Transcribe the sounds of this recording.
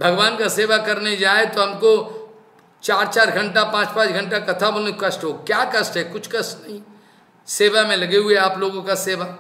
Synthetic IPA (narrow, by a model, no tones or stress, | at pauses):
bʱɐɡʋaːnkaseːʋakɐɾned͡ʒaːet̪oɦɐmko | t͡ʃaːɾt͡ʃaːɾɡʱɐ̃ɳʈapãːt͡ʃpãːt͡ʃɡʱɐ̃ɳʈakɐt̪ʰabonekɐsʈɦoːkjaːkɐsʈɦɛkʊt͡ʃʰkɐsʈnɐĩ | seːʋamẽlɐɡeɦʊeaːploːɡõkaseːʋa